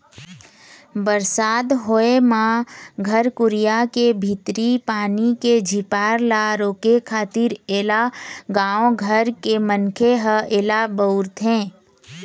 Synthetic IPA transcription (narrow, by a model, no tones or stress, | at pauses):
bəɾsaːd̪ɦoemãɡʱəɾkʊɾijakebʱɪt̪ɾipaːniked͡ʒʱipaːɾlaɾoːkekʰaːt̪iɾeːlaɡãːõɡʱəɾkemənkʰeɦəeːlabəʊɾt̪ɦɛ̃ː